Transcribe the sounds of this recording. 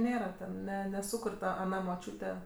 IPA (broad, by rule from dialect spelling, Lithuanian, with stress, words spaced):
ˈnʲeːrɐ tʲɛn ˈnʲɛ nʲɛˈsʊkʊrʲ ˈtɐ ɐˈnɐ moːˈt͡ʃʲuːtʲɛ